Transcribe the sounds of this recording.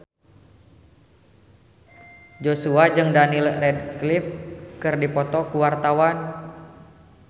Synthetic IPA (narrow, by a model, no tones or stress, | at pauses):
d͡ʒosuad͡ʒɨŋdanilrɛdklifkɨrdipɔt̪ɔkuwart̪awan